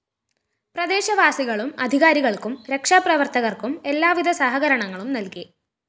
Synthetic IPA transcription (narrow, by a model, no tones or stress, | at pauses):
prɐd̪e̞ːɕɐʋaːsiɣɐɭumɐd̪ʱiɣaːɾiɣɐɭkumɾe̞kʂaːprɐʋɐrt̪ɐɣɐrkume̞lːaːʋid̪ʱɐsaɦɐɣɐɾɐɳɐŋːɐɭumnɐlki